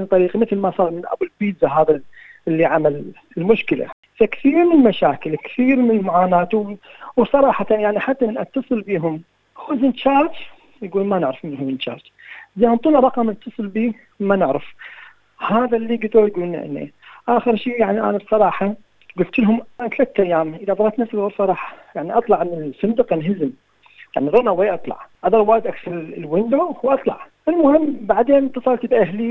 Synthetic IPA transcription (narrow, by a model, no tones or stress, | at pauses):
ɪnt̪ˤɑɾiːqmɪθlmasˤɑːɾˤmɪnʔa̰bʊlbiːzaɦaːðalːiʕamal | ɪlmʊʃkɪla̰ | fakθiːɾmɪnəlmaʃaːkɪlkθiːɾmɪnəlmʊʕaːnaːt̪wwsˤɑɾˤɑːħɑt̪anjaʕniħat̪ːamɪnʔat̪ːɑsˤɨlbiːɦʊm | xʊzɪnt͡ʃɑːɾˤd͡ʒ | jɡuːlmanɪʕɾɪfmɪnxʊzɪnt͡ʃɑ̰ːɾˤd͡ʒ | zeːhʊmt̪ˤuːlɾˤɑqɑmat̪ːɑsˤɨlbiː | manɪʕɾɪf | haːðalːiːɡad̪ojɡuːln̰ʔɪ̰nːḭʔaːxəɾʃiːjaʕniʔa̰nabsˤɑɾˤɑːħɑ | ɡʊlt̪ɪlɦʊmʔanat̪laːt̪ːʔajːaːmʔəðabˤɑɾˤɑːt̪nafsɪlɣʊɾfɑɾˤɑːħjaʕniʔɑt̪ˤlɑʕnsɨnd̪ɪqanɦɪzɪm | ja̰ʕniɾˤɑnaweːʔɑt̪ˤlɑ̰ʕʔad̪ɑɾˤwaːjɪd̪ʔakθɑɾˤlwɪnd̪owʔɑt̪ˤlɑ̰ʕ | ɪlmʊhɪmːbaʕd̪eːnt̪ːɑsˤɑlt̪bʔaɦli